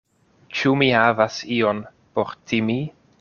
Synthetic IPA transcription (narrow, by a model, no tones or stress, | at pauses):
t͡ʃumihavasio̞n | poɾtʰimi